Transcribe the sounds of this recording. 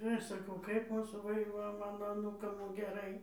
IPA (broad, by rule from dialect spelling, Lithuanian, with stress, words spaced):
ɪr ˈɐʃ sɐˈkɐʊ kɐɪp ˈmuːsuː ˈʋɐ ɪr jɛʊ ˈmɑːnoː ɐˈnuːkɐm ɡʲɛˈrɐɪ